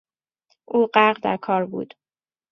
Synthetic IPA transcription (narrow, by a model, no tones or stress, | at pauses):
ʔuːɢæɾʁd̪æ̰ɾkʰɒːɾbṵːd̪̥